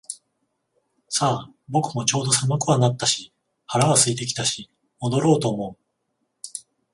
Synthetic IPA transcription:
saː | bo̞kɯ̟mo̞t͡ɕo̞ːd̪o̞samakɯ̟βanat̪ːaɕi | haɾaβasɨit̪̬e̞kʲi̥t̪aɕi | mo̞d̪o̞ɾo̞ːt̪o̞ːmo̞ɯ

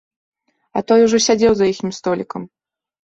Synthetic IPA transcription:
ɐt̪ɔjuʐɔsʲad͡zʲɛwzɐjixnʲimst̪ɔlʲikɐm

